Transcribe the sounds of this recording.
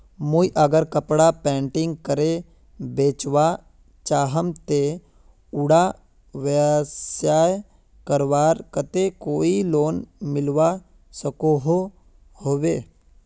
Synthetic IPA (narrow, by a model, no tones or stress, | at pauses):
muiʔəɡəɾkəpɽapɛ̃ːɳʈɪ̃ŋɡ̚kəɾe | beːt͡ʃwa | t͡ʃaːɦəmt̪e | ʊɽa | ʋəsjaːj | kəɾʋaːɾkət̪ekoːiloːnmɪlʋa | səkoɦo | hoːweː